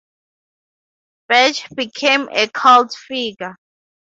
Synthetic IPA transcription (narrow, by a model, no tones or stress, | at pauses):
b̥ɛt͡ʃb̥ikʰẽmḛkʰaldfiɡa